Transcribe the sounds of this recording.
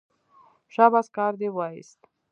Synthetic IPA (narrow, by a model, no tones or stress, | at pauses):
ʃabaskɑɾd̪ewɑḭst̪